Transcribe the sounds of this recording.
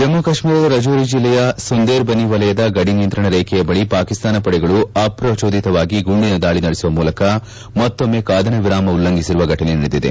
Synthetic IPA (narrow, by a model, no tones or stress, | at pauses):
d͡ʒɐmːɐkɐʂmiːɾɐd̪ɐɾɐd͡ʒuːɾid͡ʒilːɛjɐsund̪eːɾbɐniʋɐlɐjɐd̪ɐɡɐɽinijɐnt̪ɾɐɳɐɾɛːkʰɛjɐbɐɭipaːkist̪aːnɐpɐɽɛɡɐɭuɐpɾɐt͡ʃoːd̪it̪ɐʋaːɡiɡuɳɖinɐd̪aːɭinɐɽesuʋɐmuːlɐkɐ | mɐt̪ːomːekaːd̪ʱɐnɐʋiɾaːmɐulːɐŋɡisiɾuʋɐɡɐʈɐneniɽid̪id̪ḛ